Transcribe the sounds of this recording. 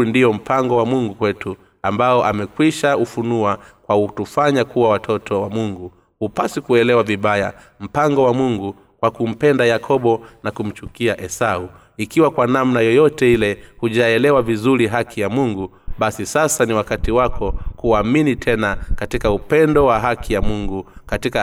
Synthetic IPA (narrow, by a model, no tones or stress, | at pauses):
ndijɔm̩paŋɡɔwamuŋɡukwɛtʰu | ambaɔʔamɛkwiʃaufunuakwautufaɲakʰuwawatʰɔtʰɔwamuŋɡu | hupasikuɛlɛwaviɓaja̰ | m̩paŋɡɔwamuŋɡu | kwakum̩pɛndajakʰɔɓɔnakum̩t͡ʃukiaʔɛsau | ikiwakwanamnajɔjɔtɛilɛhuʄaɛlɛwavizuɾiɦakʰijamuŋɡu | ɓasisasaniwakatiwakʰɔkuaminitʰɛnakatikaupɛndɔwaɦakʰijamuŋɡukatika